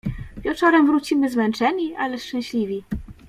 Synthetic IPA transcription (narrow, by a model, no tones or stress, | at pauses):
vʲjɛt͡ʂɔɾɛmvɾut͡ɕimɘzmɛnt͡ʂɛɲiʔalɛʂt͡ʂɛ̃w̃ɕlʲivʲi